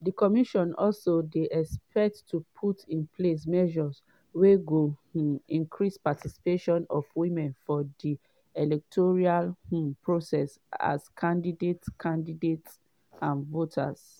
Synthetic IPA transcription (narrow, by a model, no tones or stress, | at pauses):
dikɔmiʃɔ̃nɔ̰lsodeʔɛspɛk̚tːupʰutʰĩnpʰles̬mɛʒɔs | weɡoĩnkʰɹispatisi̥peʃɔ̃nɔfwimɛ̃nfɔdi | ɛlɛk̚tʰɔɹialpɹosɛs | a̰skʰãndidetskʰãndidets | ãnvotʰa̰s